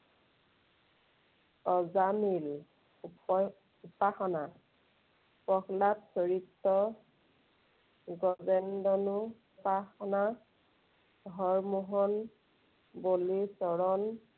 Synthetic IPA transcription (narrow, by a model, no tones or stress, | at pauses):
ɔzamil | upaxɔna | pɔxlapsɔɹitːɔ | ɡɔzɛndɔnu | paxɔna | ɔɹmuɦɔn | bolisɔɹɔn